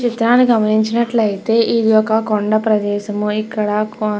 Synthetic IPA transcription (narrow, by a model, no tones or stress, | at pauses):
t͡ʃit̪ɾaːnːiɡɐmɐniɲt͡ʃinɐʈlɐjit̪e̞ːʔid̪iɔkɐkoɳɖɐpɾɐd̪ɛːʃɐmuikːɐɽaːk